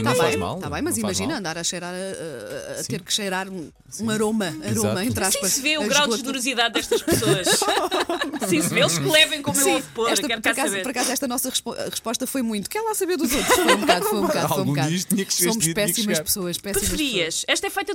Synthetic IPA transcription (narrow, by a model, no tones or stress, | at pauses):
t̪aβɐ̃jma̰lˠt̪aβɐ̃j̃mɐzimɐʒinɐ̃nd̪aɾɐʃɐjɾaɾɐ | t̪eɾkʃɐjɾaɾũ | ũɐɾomɐɐɾomɐẽnt̪ɾaʃpɐveuɣɾawdoʒnɨɾuziðaðd̪ɛʃt̪ʃpsoɐʃ | sĩsɨveelˠʃklˠɛvɐ̃j̃komuewfpoɾɛɛʃtɐkɛɾpɔɐɛɾɐkazzβeɾɔɾɐkazuɛʃt̪ɐnɔsɐʁɨʃpoʔʁɨʃpɔʃt̪ɐfojmũj̃t̪u̥kɛɾlˠasɐβeɾðuzot̪ɾʃfoũbkaðfojũbkaðalˠoj̃ɣub̃kaðiʃtt̪iɲɐksomuʃpɛsimɐʃpsoɐʃpɛspɾimɐʃɾiɐʃɛʃt̪ɐɛfɐjt̪ɐ